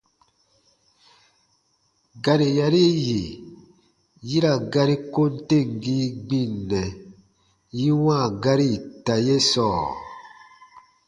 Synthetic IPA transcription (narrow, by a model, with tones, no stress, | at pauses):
ɡa˨ɾi˨ja˨ɾi˦je˨ | ji˦ɾa˨ɡa˦ɾi˦ko˦n̩˦te˦˨ŋ˨ɡi˦ɡ͡bi˦˨nːɛ˨ | ji˦wãː˦˨ɡa˦ɾi˦˨ta˨je˦sɔː˦˨